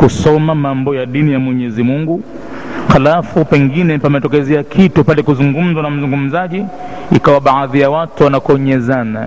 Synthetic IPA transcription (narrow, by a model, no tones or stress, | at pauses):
kusɔmamambɔjaɗinijamwɛɲɛzimuŋɡu | xalafupɛŋɡinɛpamɛtɔkɛzɛakʰitupalɛkuzuŋɡum̩zanam̩zuŋɡum̩zaʄi | ikawaɓaðijawatuwanakɔɲɛzana